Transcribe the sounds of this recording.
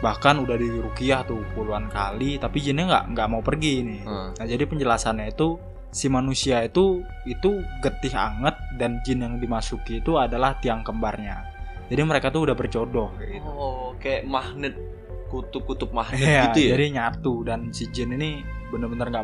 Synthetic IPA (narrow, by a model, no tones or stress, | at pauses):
bahkanudahdiɾukiaht̪uhpuluankalit̪apid͡ʒɪnɲaŋɡa̰ʔŋɡaʔmaupərɡinɪnad͡ʒadipəɲd͡ʒəlasanɲait̪u | simanusiait̪u | it̪uɡət̪ɪɦa̰ŋət̪̚dand͡ʒɪnjaŋdimasukiːt̪uadalaht̪iaŋkəmbarɲa | d͡ʒadiməɾekat̪uudahbərt͡ʃodɔhkaɡit̪okajaʔmahnɪt̪̚ | kut̪ʊp̚kut̪ʊp̚mahɪaɡiud͡ʒadiɲat̪udansid͡ʒɪninibənərbənarŋɡa